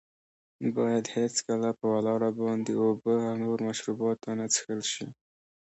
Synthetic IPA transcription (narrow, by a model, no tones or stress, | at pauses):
bɑjad̪het͡skalapəwalɑɽabɑnd̪eobəawnoɾmaʃɾubɑt̪ːanat͡sxəlʃi